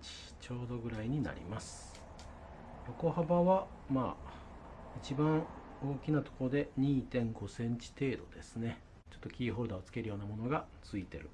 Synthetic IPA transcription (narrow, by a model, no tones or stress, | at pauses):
i̥ | t͡ɕo̞ːd̪o̞ɡɯ̟ɾaiɲ̟ina̰ɾʲḭmasɨ̥ | jo̞ko̞habaβa | ma̰ː | it͡ɕibãɰ̃ | o̞ːkʲinat̪o̞̥koɾod̪e̞ɲ̟iːt̪ẽ̞ŋɡo̞sẽ̞ɲ̟t͡ɕi̥t̪e̞ːd̪o̞d̪e̞sɨne̞ | t͡ɕo̞̥t̪ːo̞kʲiːɦo̞ːɾɯ̟d̪aot͡sɨ̥ke̞ɾɯ̟jo̞ːnamo̞no̞ɡat͡sɨit̪e̞̰ɾɯ̟̰